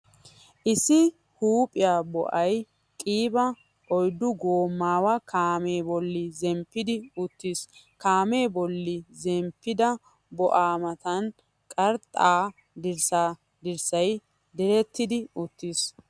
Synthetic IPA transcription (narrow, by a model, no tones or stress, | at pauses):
ʔɪsɪ | huːpʼɪjaːbɔ̰ʔɐj | kʼiːbɐ | ɔjd̪ːʊɡoːmːaːwɐkʰaːmeːbɔlːɪzɛmpːɪd̪ɪʊt̪ːiːs | kaːme̞ːbɔlːɪzɛmpːɪd̪ɐ | bɔʔaːmɐt̪ɐn | kʼɐɾt̪ʼːaː | d̪ɪɾsaː | d̪ɪɾsɐj | d̪ɛɾɛt̪ːɪd̪ɪʊt̪ːis